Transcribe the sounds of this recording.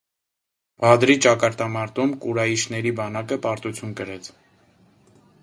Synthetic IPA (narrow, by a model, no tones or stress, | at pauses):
vɑd̪ɾit͡ʃɑkɑɾt̪ɑmɑɾt̪umkuɾɑjiʃnɛɾibɑnɑkəpɑɾt̪ut͡sʰjunkəɾɛt͡sʰ